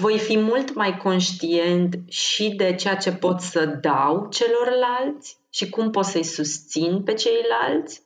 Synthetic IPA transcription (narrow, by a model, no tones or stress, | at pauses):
vo̞jfimult̪majko̞nʃt̪ie̞nt̪ʃid̪e̞t͡ʃe̞jat͡ʃe̞po̞t̪səd̪awt͡ʃe̞lo̞rlalt̪sʲ | ʃikumpo̞t̪səjsust̪sinpe̞t͡ʃe̞jlalt̪sʲ